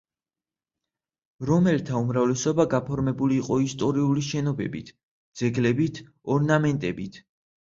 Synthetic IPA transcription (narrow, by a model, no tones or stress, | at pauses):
ɾɔmɛlt̪ʰaumɾavlɛsɔbaɡapʰɔɾmɛbuliːqʼɔist̪ʼɔɾiuliʃɛnɔbɛ̰bḭt̪ʰ | d̪z̥ɛɡlɛbit̪ʰ | ɔɾnamɛnt̪ʼɛbit̪ʰ